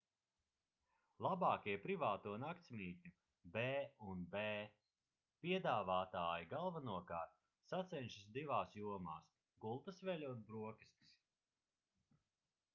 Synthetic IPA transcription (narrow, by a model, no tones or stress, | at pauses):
lˠabaːkʲiɛpɾivaːt̪uɔnakt̪sʲmʲiːt̪̚ʲɲʲu | bɛːunbɛː | piɛd̪aːvaːt̪aːjiɡalˠvanuɔkaːɾt̪̚ | sat̪sɛnʃisd̪ivaːsjuɔma̰ːs | ɡulˠt̪ɐsvɛlʲuɔt̪bɾuɔkʲi̥st̪i̥s